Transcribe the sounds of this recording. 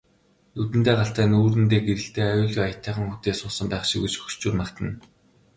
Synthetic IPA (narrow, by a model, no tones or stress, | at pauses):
nut̪̬ɘ̆nt̪eːɢaɬt̪æːnuːrɘ̆nt̪̬eːɡeɾɘ̆ɬt̪eːajʊːɮɣujajə̆t̪ʰːæːχə̆ŋxut̪eːsʊːsə̆mpæːχʃikɡut͡ɕxɵ̥t͡ɕuːrmakt̪ʰə̆n